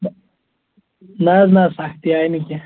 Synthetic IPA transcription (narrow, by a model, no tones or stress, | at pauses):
naːznaːsaxt̪iaːinikʲe